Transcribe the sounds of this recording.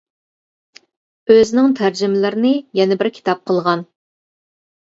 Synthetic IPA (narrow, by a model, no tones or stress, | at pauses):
øzɪnɪŋt̪ʰæɾd͡ʒɪmɪlɪɾɪnɪjɛnɛbɪɾkʲʰi̥t̪ʰɑp̚qʰəlˠʁɑn